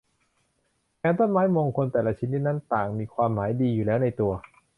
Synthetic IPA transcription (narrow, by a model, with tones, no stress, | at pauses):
kaː˧nt̪o˥˩nmaː˦˥jmoː˧ŋkʰo˧nt̪ɛː˨˩la˧t͡ɕʰi˦˥nːi˦˥t̪̚na˦˥nt̪aː˨˩ŋmiː˧kʰwaː˧mːaː˩˦jdiː˧juː˨˩lɛː˦˥wna˧jt̪u˧ɐ